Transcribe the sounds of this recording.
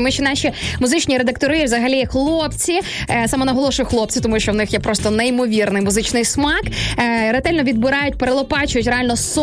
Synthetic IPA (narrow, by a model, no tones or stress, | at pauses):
mʊt͡ʃinɑʃʲimʊzɪt͡ʃnʲiɾed̪ɐk̚t̪ɔɾɨʋzɐɦɐlʲixlˠɔpt͡sʲi | sɑmɔnɐɦɔlˠɔʃʊjʊxlˠɔp̚t͡sʲit̪ɔmuʃt͡ʃɔwnɪxjɛpɾɔst̪ɔnɛimɔʋʲirnɪjmʊzɪt͡ʃnɪjsmɑkɾet̪ɛlʲnɔʋʲid̪bɪɾɑjʊt̚ʲpeɾelˠɔpɑt͡ʃʊjʊtʲrealʲnɔs